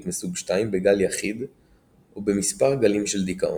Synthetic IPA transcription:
t̪mesubʃt̪aimbeɡaljaχid̪ | obemispaʁɡalimʃeld̪ikaʔo̰

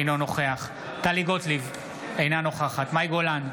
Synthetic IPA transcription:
nono̞χeaχ | t̪aliɡot̪liv | ejnano̞χaχat̪majɡolan

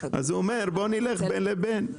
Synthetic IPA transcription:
a̰zuɔmɛɾbonilɛχbɛnlɛbɛn

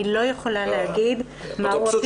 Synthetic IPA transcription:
ilo̞jeχolalehaɡid̪ | maʁo

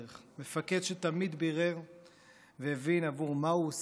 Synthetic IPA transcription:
eχmefaked̪ʃet̪amid̪biʁev | veevinavuʁmauos

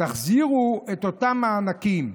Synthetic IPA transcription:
taχziʁuet̪o̞t̪amaːnakim

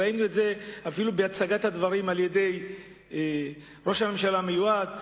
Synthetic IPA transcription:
ainuetzeafilubeat͡saɡat̪had̪vaʁimalje̞d̪e̞j | ʁo̞ʃhame̞mʃalamejuad̪

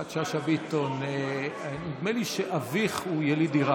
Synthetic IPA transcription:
atʃaʃabit̪onenid̪meliʃeʔaviχujelid̪iʁa

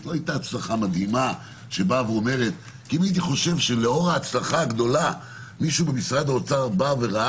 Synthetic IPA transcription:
loajt̪aːt͡slaχamad̪hima | ʃe̞baveome̞ʁe̞t̪ | kiimait̪iχo̞ʃe̞vʃe̞le̞o̞ʁaːt͡slaχaːɡd̪o̞la | miʃuube̞misʁad̪ot͡saʁbave̞ʁa

